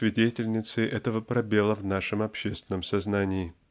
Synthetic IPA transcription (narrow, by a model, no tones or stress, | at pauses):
vʲɪdʲetʲɪlʲnʲɪt̪sɨʔɛt̪əvəpɾɐbʲe̞lˠəvnaʂɨmɐpɕːest̪ʲvɪnːəmsɐznanʲɪɪ